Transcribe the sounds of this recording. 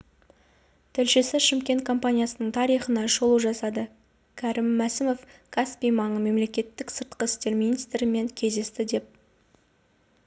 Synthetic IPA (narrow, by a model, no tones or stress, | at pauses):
t̪ʰɪlʃe̞sɪʃɪmkʲe̞nt̪̚kʰo̞mpanʲijasənəɴt̪ʰɑɾijχənɑʒolˠuʒɑsɑd̪ə | kʲʰæɾɪmːæsɪmo̞fkʰaspijmɑɴəme̞mle̞kʲe̞t̪ːɪksəɾt̪̚qəɪst̪e̞ɾminijst̪ɾɪme̞ŋkʲʰe̞zd̪e̞st̪ɪd̪e̞p̚